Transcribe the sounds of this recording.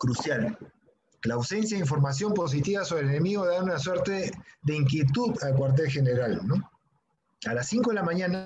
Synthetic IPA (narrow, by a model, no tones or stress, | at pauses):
kɾusjal | laːwse̞nsjaðiɱf̬o̞ɾmas̬jo̞mpos̬it̪iβasoɾelene̞miɣo̞ðaunaswe̞ɾt̪e̞ðe̞iŋkje̞t̪uðalk̬waɾt̪̬e̞lxe̞neɾalno̞ | alasːiŋko̞ðelamãɲãna